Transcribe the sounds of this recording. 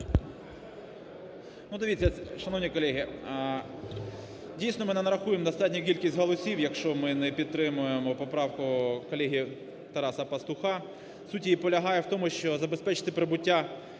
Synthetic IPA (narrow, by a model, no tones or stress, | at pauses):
nud̪ɐʋʲitʲt͡sʲːɐɛʃɐnɔwnʲikɔlʲɛɦʲi | dʲijsnɔmɪnɛnɐɾɐxujemd̪ɔst̪ɑtʲnʲɐkʲilʲkʲisʲtʲɦɔlˠɔsʲiwjɐkʃt͡ʃɔmɪnɛpʲid̪̚t̪ɾɪmʊjemɔpɔpɾɑwkʊkɔlʲɛɦʲi | t̪ɐɾɑsɐpɐst̪ʊxɑ | sutʲiipɔlʲɐɦɑjɛwt̪ɔmʊʃt͡ʃɔzɐbespɛt͡ʃɪ̥t̪ɪpɾebʊtʲːa